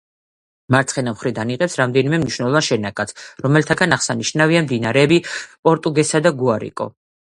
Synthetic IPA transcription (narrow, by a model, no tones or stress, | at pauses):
maɾt̪sχɛnamχɾid̪aniqʼɛpsɾamd̪ɛnimɛmniʃwnɛlˠɔvanʃɛnakʼat̪sʰɾɔmɛlt̪ʰaɡanaχsaniʃnaviamd̪inaɾɛːbipʼɔɾt̪ʼuɡɛsad̪aɡuaɾḭkʼɔ̰